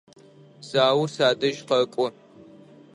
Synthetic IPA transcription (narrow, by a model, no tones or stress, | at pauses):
zaːwsaːdɐʒqɐkʷʼʊ